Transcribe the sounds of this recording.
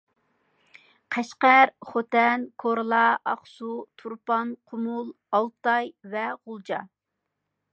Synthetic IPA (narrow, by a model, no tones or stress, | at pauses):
qʰɛʃqæɾχot̪ɛnkʰoɾlˠɑɑχsut̪ʰuɾpɑnqʰʊmulˠ | ɑlˠt̪ɑjvɛʁʊlˠd͡ʒɑ